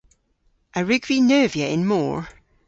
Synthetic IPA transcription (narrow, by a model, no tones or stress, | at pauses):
ʔəɹʉɡvinɜːvjəʔɪ̃nmɔ̰ːɹ